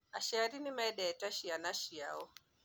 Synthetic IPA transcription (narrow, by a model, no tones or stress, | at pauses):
aʃɛaɾinimaɛɗɛɛtaʃianaʃija̰ɔ